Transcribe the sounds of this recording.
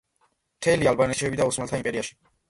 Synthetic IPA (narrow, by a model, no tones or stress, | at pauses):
mt̪ʰɛlialbanɛʃɛbid̪ausmɛlt̪ʰaimpʼɛɾiaʃi̥